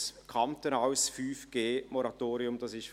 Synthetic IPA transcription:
kʰɑmtənaʊsfyːfɡ̥eːmɔɾɑtoːɾiʊmd̥ɑsɪʃ

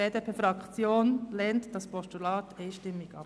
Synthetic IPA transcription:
eːdeːpʰeːfɾɑkt͡sjoːnlɛntd̥ɑspʰɔʃtulɑːtɛɪʃtɪmːɪɡɑ̰

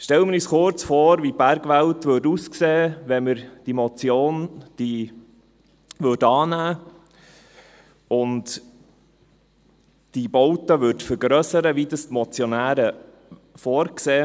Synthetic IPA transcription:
ʃtɛləməɾisχʊɾt͡sfoːɾʋib̥æɾɡʋæltʋʏːɾduskseːʋɛməɾd̥imɔt͡sjoːnd̥i | ʋødɑːnæː | ʊnt | d̥ibɔwtəʋʏɾdfəɾɡɾœsəɾəʋidəstmɔt͡sjɔnæːɾə | foːɾkseː

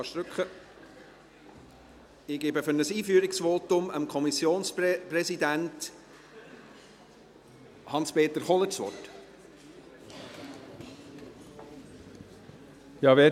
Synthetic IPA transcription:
ɑʃt̪ɾʏkχə | ɪɡ̥ɪːbəfʏnəsiːfyːəɾɪksvoːtʊməmkʰɔmisjoːnsppɾɛsidænt | hɑnspeːt̪əɾχɔlətsʋɔ̰t | jɑːʋeː

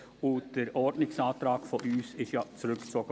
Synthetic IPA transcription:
ʊd̥əɾʔɔɹdnɪksɑːtɾɑːɡfɔʔyːsɪʃjaːt͡sɾʉkt͡sɔːɡ

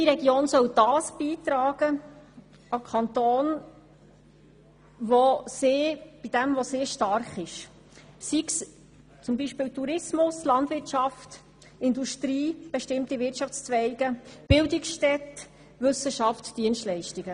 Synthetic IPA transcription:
iɾɛɡjoːnsœwd̥ɑːsb̥iːt̪ɾɑːɡə | ɑkʰɑntoːn | ʋosɪːb̥id̥ɛmʋɔseːɾʃtɑɾχɪʃ | siks | t͡sʊmbiʃpɪːltuɾɪsmʊslɑntvʋɪrtt͡ʃɑft | ɪnduʃtɾiːb̥ɛʃtɪmtivɪt͡ʃɑft͡st͡sʋɛɪɡ̥əb̥ɪldɪksʃtɛt̪ | ʋɵsəʃɑftd̥iənstlɛɪʃtiɡə

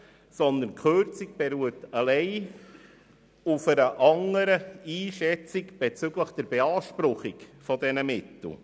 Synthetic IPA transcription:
sɔnd̪ənkχøɾt͡sik̚b̥ɛɾuətɑlɛɪ | ufəɾəʔɑŋəɾəiːʃɛt͡sikb̥ɛt͡sʏɡləχd̥ɛɾbɛɑːʃpɾʊχikfɔdɛnəmɪtl̩ˠ

